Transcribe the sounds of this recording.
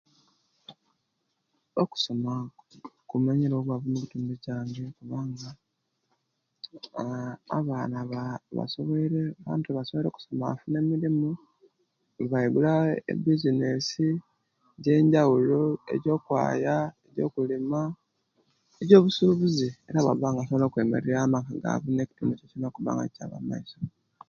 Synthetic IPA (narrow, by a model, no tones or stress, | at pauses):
oku̥so̞makumaɲiɾowoβwaβunokutuːmbiɟaːɲɡekuβaːŋɡa | βaːnaβaβa̰soβoɾeβa̰ːntuβasoβɾe̞ku̥so̞ma̰fune̞miɾimu | βaiɡulaḛbizinesi | ɟe̞ːɲɟawuloe̞̰ɟo̞ːkwa̰ːjae̞ɟo̞̰ːkulima | eɟo̞ːβusuβuzie̞ɾaβa̰βaːŋɡasoβelokwe̞me̞̰ɾeɾamakaɡa̰βune̞ci̥timicecinakuβa̰ːŋɡa̰caːβa̰ma̰iso